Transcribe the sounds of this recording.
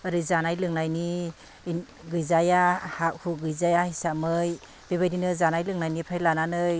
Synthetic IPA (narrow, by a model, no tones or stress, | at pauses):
aɾɯzanajlɯŋnajni | ɡɯjzajahak̚huɡɯjzajahisamɯj | beβajdinɯzanajlɯŋnajnipʰajlananɯj